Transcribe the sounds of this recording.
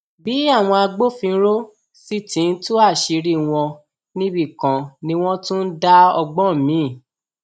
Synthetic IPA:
bi˨˦a˦˨w̃ɔ̃˧a˧ɡ͡bo˦fĩ˧˦ɾo˦ | si˦tĩ˨˦n̩˦tu˦a˦˨ʃi˧ɾi˦w̃ɔ̃˧ | nĩ˦bi˦˨kã˨nĩ˦w̃ɔ̃˦tũ˦n̩˦da˦ɔ˧ɡ͡bɔ˦˨mĩ˨˦˨

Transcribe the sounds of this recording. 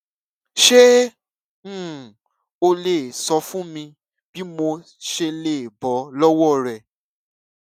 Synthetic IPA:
ʃẽ˦˨ | o˧le˨sɔ˨˧fũ˦mĩ˧ | bi˦mo˧ | ʃe˧le˨bɔ˨˦lɔ˦wɔ˦˨ɾɛ˨

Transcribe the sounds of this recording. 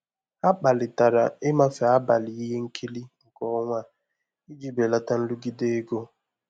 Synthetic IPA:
a˦k͡pa˨lɪ˨ta˨ɾa˨ɪ˦ma˦fe˨a˦ba˨li˨i˦ɦe˦ŋ̩˦kʰi˦li˦ŋ̩˨kɔ˦ŋʷa˦˨ | i˦d͡ʒi˦be˨la˦ta˦n̩˦lu˦ɡi˦de˦e˦ɡo˦

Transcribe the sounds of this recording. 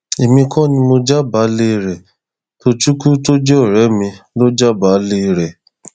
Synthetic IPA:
e˨mĩ˧kʰɔ̃˦˨nĩ˧mo˧d͡ʒa˦ba˨˦le˦˧ɾɛ˨ | to˧t͡ʃu˦ku˦to˦d͡ʒɛ˦ɔ˦˨ɾɛ˨˦mĩ˧lo˦d͡ʒa˦ba˨˦le˦˧ɾɛ˨

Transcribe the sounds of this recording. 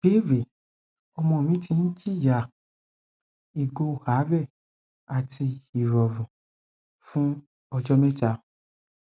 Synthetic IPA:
b̥e˦ɾe˨ | ɔ˧mɔ̃˧o˨mĩ˨˦tĩ˧n̩˦d͡ʒi˦˨ja˨ | i˨ɡo˧˨ha˨˦ɾɛ˦˨ | a˨ti˧i˨ɾɔ˨vũ˨ | fũ˦ | ɔ˧d͡ʒɔ˦mɛ̃˦ta˧˦

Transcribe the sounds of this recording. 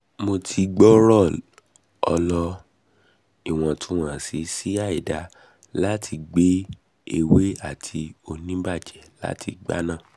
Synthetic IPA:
mo˧tʰi˧ɡ͡bɔ˦ɾɔ˦˨ | ɔ˧lɔ˧ | i˦˨w̃ɔ̃˨tũ˦wã˦˨si˨˧si˦a˦˨i˨da˨ | la˦tʰi˧ɡ͡be˦ | e˧˨we˦a˦˨tʰi˧o˧nĩ˦ba˦˨d͡ʒɛ˨la̰˦tʰi˧ɡ͡ba̰˦nã˦˨

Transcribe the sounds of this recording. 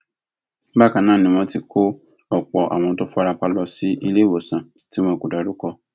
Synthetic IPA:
ba˦kã˨nãː˦˨nĩ˨m̃ɔ̃˧ti˧kʰo˦ | ɔ˨k͡pɔ˨ʔa̰˨w̃ɔ̃˧to˦fa˧ɾa˧k͡pa˧lɔ˧si˦ʔi˧le˦˨wo˨sã˨ti˨˦mõ˧ko˨da˨ɾu˨˦kɔ˧

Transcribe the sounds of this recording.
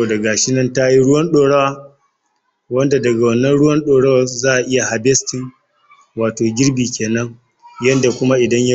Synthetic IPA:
da˨ɡa˨ʃɪ˦nɐ˦nta˦ji˦ɽʊ˦wɐ˦nɗoː˨ɽɐ˦waː˦ | wɐ˦nda˨dɐ˨ɡa˨wɐ˨nːɐ˦nɽʊ˦wɐ˦nɗoː˨ɽɐ˦wa˨zaː˦ʔa˨ʔɪ˦ja˨ha˨bɛ˦stɪ˨ŋ | waː˨toː˨ɡʲɪ˦ɽbiː˨kʲeː˨nɐ˦ŋ | jɐ˦nda˨kʷʊ˦ma˦ʔɪ˨dɐ˦ɲja˦

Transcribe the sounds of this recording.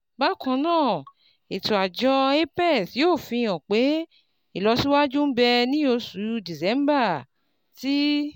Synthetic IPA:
ba˦kɔ̃˧nãː˦˨ | e˨tu˨a˨d͡ʒɔ˧e˦pɛ˦˨tjoː˦˨fĩ˧j̃ã˨k͡pe˨˦ | i˦˨lɔ˧si˦wa˦d͡ʒũ˦bɛ˧nĩ˦o˧su˨˦u˧di˨sɛ˨˦m˦ba˦˨ | ti˦

